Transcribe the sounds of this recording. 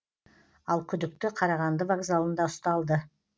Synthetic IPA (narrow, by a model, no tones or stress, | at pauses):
ɑlˠkʲʰʏd̪ɪk̚t̪ɪqʰɑɾɑʁɑnd̪əvaɡzalˠənd̪ɑʊst̪ɑlˠd̪ə